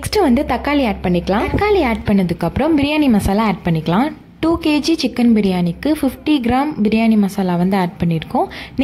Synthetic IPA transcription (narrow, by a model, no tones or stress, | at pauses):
ksʈɾɐʋɐnd̪ɯt̪ɐkːaːliaːɖ̚pɐɳːɪkːɐɭãːkːaːliaːɖ̚pɐɳːɐðɯkːɐpːɯɾɐ̃mbɪɾɪjaːɳimɐsaːlaaːɖ̚pɐɳːɪkːɐɭãː | ʈuːkeːd͡ʒit͡ʃɪkːɐnbɪɾɪjaːɳɪkːɯfɪfʈiɡɪɾaːmbɪɾɪjaːnimɐsaːlaːʋɐnd̪ɯaːɖ̚pɐɳːɪɾɯkːʊ̃n